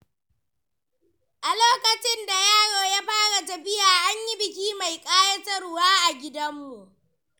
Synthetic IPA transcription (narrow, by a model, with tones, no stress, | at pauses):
ʔa˨loː˦kɐ˨t͡ʃɪ˦nda˨jaː˦ɽoː˨ja˦ɸaː˦ɽa˨tɐ˨ɸɪ˦jaː˨ʔa˦ɲji˦bɪ˨k̬ʲiː˦ma˨jkʼaː˦jɐ˦tɐ˦ɽʊ˦˨waː˦ʔa˨ɡʲɪ˦dɐ˦mːu˨ʔ